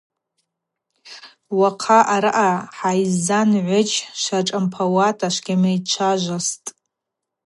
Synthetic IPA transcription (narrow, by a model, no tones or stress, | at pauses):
waqʰaʔaɾɨʔaħajzanʕʷʊt͡ʃʰʼʃaʈ͡ʂʼampʰawatʼʰaʃʷɡʲamejt͡ʃʷʰaʒʷastʼ